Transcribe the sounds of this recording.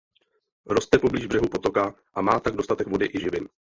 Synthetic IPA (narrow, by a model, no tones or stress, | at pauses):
ɾo̞st̪ɛpo̞bliːʒvbrɛɦupo̞t̪o̞ka | ʔamaːt̪aɡdo̞st̪at̪ɛkvo̞dɪʔɪʒɪvɪn